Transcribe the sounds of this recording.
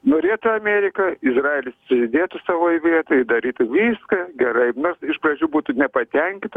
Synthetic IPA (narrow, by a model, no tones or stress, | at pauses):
noːɾʲeːt̪ʊɐmʲɛːɾʲɪkɐɪzrɑːelʲɪssʊzʲɪd̪ʲeːt̪ʊsɐʋoːjʋʲiɛt̪oːjɪd̪ɐɾʲiːt̪ʊʋʲiːskɐɡʲɛɾɐɪnoːrsɪʃprɐd͡ʒʲuːbuːt̪ʊnʲɛpɐt̪ʲɛŋʲkʲɪnt̪ɐ